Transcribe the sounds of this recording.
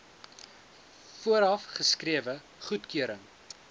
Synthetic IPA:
fuəɾɐfχəskriəvə | χutkøəɾəŋ

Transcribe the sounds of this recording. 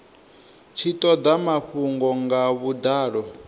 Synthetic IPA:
t͡ʃʰit̪ʼɔd̪amaɸuŋɡɔŋɡaβud̪aːɺɔ

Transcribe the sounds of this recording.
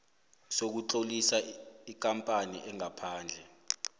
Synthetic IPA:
sok̬uǁolisaik̬ʼampʼanḭʔɛŋapʰaːnd͡ɮʱɛ

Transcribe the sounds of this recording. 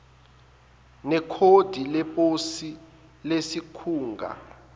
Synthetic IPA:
nɛkʰod̥ʱilɛpʼosi | lesikʰuːŋɡʱa̰

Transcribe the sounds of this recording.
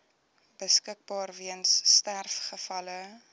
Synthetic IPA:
b̥əskək̚bɑːrviənsːtærfχəfɐlə

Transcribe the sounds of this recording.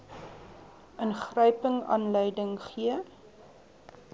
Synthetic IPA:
ənχrœjpəŋɑ̰ːnləjdəŋχiə

